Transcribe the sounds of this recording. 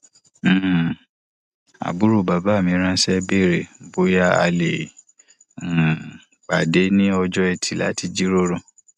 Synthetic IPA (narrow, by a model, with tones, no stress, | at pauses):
a̰˨bu˦ɾu˦˨ba˨ba˦˨mĩ˧˦ɾ̃ã˦sɛ˦be˦˨ɾe˨bo˦ja˦a̰˧le˨ | k͡pa˨de˨˦nĩ˦ɔ˧d͡ʒɔ˦ɛ˧tʰi˨la̰˨˦ti˧d͡ʒi˦ɾo˦ɾõ˧˨